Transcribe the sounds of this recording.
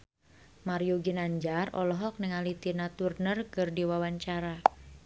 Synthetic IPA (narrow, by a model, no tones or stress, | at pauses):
maɾijuɡinaɲd͡ʒarɔ̰lɔɦɔk̚nɛŋalit̪inat̪urnərkərdiwawaɲt͡ʃaɾa